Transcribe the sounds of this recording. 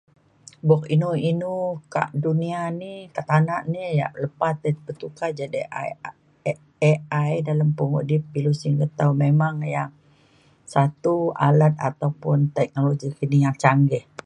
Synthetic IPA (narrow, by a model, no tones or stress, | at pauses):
bɔk̚inuinuka̰ʔdunianikaʔt̪anaʔnija̰ʔləpat̪əpət̪ukad͡ʒadḭ | eajdaləmpuŋo̰ʔdipːilusiŋɡət̪awmemaŋjaŋ | sat̪ua̰lat̪̚a̰t̪awpʊnt̪ɛk̚noloɡikənijaŋt͡ʃaŋɡɛh